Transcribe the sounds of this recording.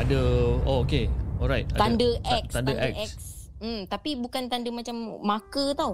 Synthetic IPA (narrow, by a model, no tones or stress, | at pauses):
adəookeɔlɾajt̚at̪andəʔɛk̪̚and̪əʔkɛsm̩t̪apibukant̪andəmat͡ʃamːakət̪aw